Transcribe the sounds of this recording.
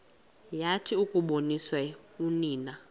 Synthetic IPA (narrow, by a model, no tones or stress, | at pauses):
jatʰiukʼuɓoniswauniːna